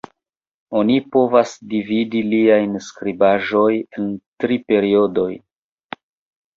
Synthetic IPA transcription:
onipo̞vasdividiliajnskɾibaʒo̞je̞ntɾipe̞ɾio̞do̞j

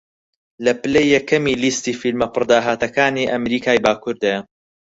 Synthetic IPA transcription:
lɐpɨlejːɛkʰɐmiːlist̪iːfilmɐpɨɾd̪aːɦaːt̪ɐkaːniːʔɐmɾiːkʰaːjbaːkʰʊɾd̪ɐjɐ

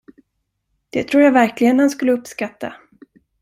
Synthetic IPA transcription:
d̪̥ɛt̪ʰɾuːɾjaːvæɾklɪɡənhanskɵlːəɵpːskat̪ːa

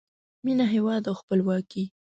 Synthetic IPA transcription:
minaɦewɑd̪awxpəlwɑki

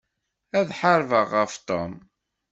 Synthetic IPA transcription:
æðħəɾvəʁːəft̪ˤo̰m

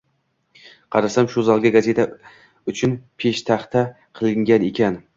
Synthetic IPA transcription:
qʰɑɾasamʃʊzɒlˠɡʲaɡaze̞t̪ʰa | ʊt͡ʃʰʊnpʰe̞ʃt̪ʰaχt̪ʰa | qʰɨlˠɪŋɡʲane̞kʲʰan

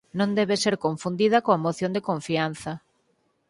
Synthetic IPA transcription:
nõnd̪ɛβeseɾkoɱfund̪iðɐkoamoθjõnd̪ekoɱfian̟θɐ

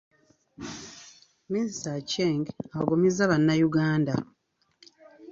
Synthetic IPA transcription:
ministaceŋɡaβaɡomizaβanːajuɡaːnda

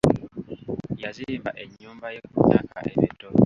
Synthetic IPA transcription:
jaziimbaʔeɲːuːmbajokuna̰ka̰ʔeβeto

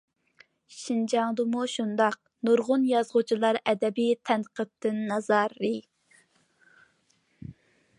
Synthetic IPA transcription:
ʃind͡ʒɑŋd̪ɨmuʃund̪ɑq̚nuɾʁʊnjɑzʁʊt͡ʃʰilˠɑɾɛd̪ɛbit̪ʰɛnqət̪ʰːɨnːɑzɑɾːɨ

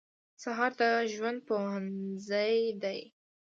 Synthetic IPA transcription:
saɦɑɾt̪aʒwand̪̚poanzajd̪aj

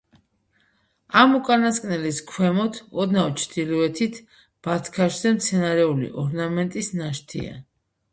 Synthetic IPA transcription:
amukʼanaskʼnɛliskʰwɛmɔt̪ʰɔd̪nawt͡ʃʰd̪iluɛt̪ʰit̪ʰ | b̥at̪ʰkʰaʃzɛmt̪sʰɛnaɾɛulḭʔɔɾnamɛnt̪ʼisnaʃt̪ʰḭa̰

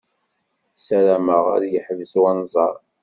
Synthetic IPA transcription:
sæɾæməʁa̰ɾjəħðəswænzˤɑɾˤ

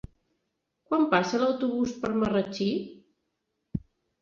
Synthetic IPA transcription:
kwampasələwt̪uβuspəɾmərət͡ʃi

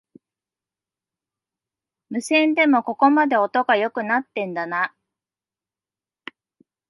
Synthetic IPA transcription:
mɯ̟sẽ̞nd̪e̞mo̞ko̞ko̞mad̪e̞o̞t̪o̞ɡajo̞kɯ̟nat̪ːẽ̞nd̪ana

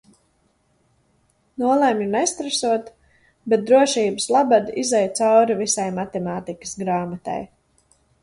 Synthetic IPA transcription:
nuɔlˠɛmɲunɛjst̪ɾasuɔt̪ | bɛt̪̚d̪ɾuɔʃiːbəslˠabad̪izɛjt̪sawɾivisajmat̪ɛmaːt̪ikə̥sɡɾaːmat̪a̰j

